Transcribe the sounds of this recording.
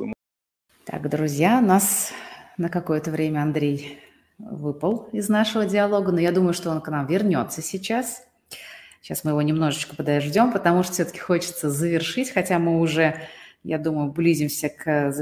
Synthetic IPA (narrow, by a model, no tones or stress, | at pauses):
t̪a̰kd̪ɾʊzʲjaʊnasnəkɐko̞jət̪əvɾʲemʲəɐnd̪ɾʲej | vɨpəlˠɪznaʂəvədʲɪɐlˠo̞ɡəno̞jad̪uməjʊʂt̪oonknamvʲɪrnʲo̞t̪səsʲɪt͡ɕas | ɕasmɨjɪvo̞nʲɪmno̞ʐɨt͡ɕkəpəd̪ɐʐdʲo̞mpət̪ɐmuʂt̪o̥fsʲot̪ə̥kʲɪ̥xo̞t͡ɕɪ̥t̪səzəvʲɪrʂɨtʲxɐtʲamɨʊʐɛjad̪uməjʊblʲizʲɪmsʲəkəz